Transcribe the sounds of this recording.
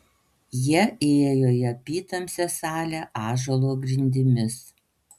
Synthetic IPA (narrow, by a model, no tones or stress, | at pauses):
jiɛʔeːjɛjoːjɛpʲiːt̪ɐmʲsʲɛsɑːlʲæʔɑːʒolˠoːɡɾʲɪnʲd̪ʲɪmʲɪs